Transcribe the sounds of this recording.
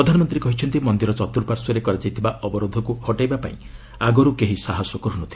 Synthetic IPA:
ɾɔd̪ʱanɔmɔnt̪ɾikɔɦit͡ʃʰɔnt̪imɔnd̪iɾɔt͡ʃɔt̪uɾpaɾsɔɾekɔɾad͡ʒajt̪ʰibaʔɔbɔɾod̪ʱɔkuhɔʈajbapa̰ḭ̃ | aɡɔɾukeɦisaɦɔsɔkɔɾunɔt̪ʰi̥

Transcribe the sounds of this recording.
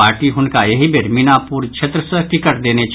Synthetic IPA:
aːɾʈiɦʊnkajɐɦibʱeɾmɪnapuːɾt͡ʃʰet̪ɾəsəʈɪkəʈd̪eːnet͡ʃ

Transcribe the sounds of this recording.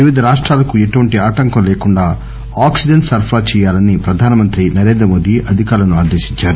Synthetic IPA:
ʋiʋid̪ʱɐɾaːʂʈɾaːlɐkue̞ʈuʋɐɳʈiaːʈɐŋkɐmlɛːkuɳɖaː | aːksid͡ʒɐnsɐɾpʰɾaːt͡ʃɛːjaːlɐnipɾɐd̪ʱaːnɐmɐnt̪ɾinɐɾeːnd̪ɾɐmo̞ːd̪iʔɐd̪ʱikaːɾlɐnuaːd̪eːʃi̥ɲt͡ʃːaːɾu

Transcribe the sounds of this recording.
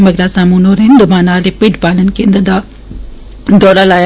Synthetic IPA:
mɐɡɾasaːmunoɾɪ̃nd̪əbãːnaːlepɪɖbaːlənɪ̆kʰẽːnd̪əd̪a | d̪ɔːɾalaː

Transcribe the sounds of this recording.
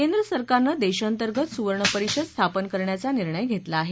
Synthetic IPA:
kend̪ɾəsəɾkaɾnad̪eɕant̪əɾɡət̪suʋəɾɳəpəɾikɕəd̪st̪ʰapənkəɾɳjat͡saniɾɳəjɡʱet̪laːɦe

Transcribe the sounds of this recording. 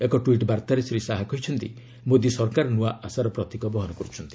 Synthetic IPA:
ekɔʈuiʈbaɾt̪aɾesɾisaɦakɔɦit͡ʃʰɔnt̪ḭ | mod̪jisɔɾkaɾnuaʔasaɾɔpɾɔt̪ikɔbɔɦɔnɔkɔɾut͡ʃʰɔnt̪i̥

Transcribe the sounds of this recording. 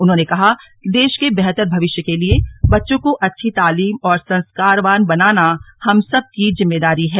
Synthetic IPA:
ʊnɦõːnekɐɦakd̪eːʃkebɛɦt̪əɾbʱɐʋɪʃjəkeliebɐtːʃõkoʔɐtːʃʰit̪aːliːmɔːɾsɐ̃nskaːɾʋaːnbɐnaːna | hɐmsɐb̚kizɪ̃mːeːd̪aːɾiɦɛː

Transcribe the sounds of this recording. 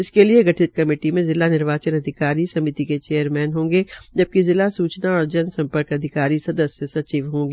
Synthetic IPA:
ɪskelieɡɐʈʰɪt̪kɐmeːʈimẽzɪlanɪɾʋaːt͡ʃənɐd̪ʱɪkaːɾisɐmɪt̪iket͡ʃeːjəɾmɛːnɦõːŋɡed͡ʒɐb̚kizɪlasuːt͡ʃnaɔːɾd͡ʒɐnsɐ̃mpəɾkɐd̪ʱɪkaːɾisɐd̪əsjəsɐt͡ʃiːʋɦõːŋɡeː

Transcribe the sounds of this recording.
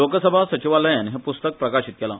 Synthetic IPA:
okəsəbʱasət͡ɕiʋaləjanɦɛpust̪ək̚pɾəkaɕit̪̚kela

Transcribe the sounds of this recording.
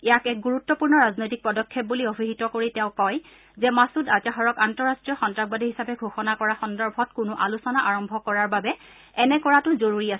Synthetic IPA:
ɛjakɛk̚ɡuɹutːɔpuɹnɔɹaznojtik̚pɔdɔkʰːɛp̚buliobʱiɦitɔkoɹitɛ̃ʊ̃kɔj | zɛmasutat͡ʃaɦɔɹɔkantɔɹastɹijɔxɔntɹaɡ̚badʱiɦisapɛɡʱoxɔnakɔɹaxɔndɔɹbʱɔtkʊnʊʔalusɔnaʔaɹɔmbʱɔkɔɹaɹbabɛ | ɛnɛkɔɹatʊzoɹuɹiasɛ

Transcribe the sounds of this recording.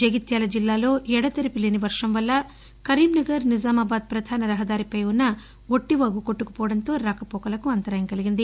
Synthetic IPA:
d͡ʒɐɡit̪jaːlɐd͡ʒilːaːlo̞ːʔɛɽɐt̪ɐɾipilːiniʋɐɾʂɐmʋɐlːɐ | kɐɾiːmnɐɡɐɾnizaːmaːbaːd̪̚pɾɐd̪ʱaːnɐɾɐɦɐd̪aːɾipɐjunːɐ | o̞ʈːiʋɐːɡuko̞ʈːukɐ̥pɔːɽɐnt̪o̞ːɾaːkɐpɔːkɐlɐkuɐnt̪ɐɾaɐːjɐmkɐliɡind̪i

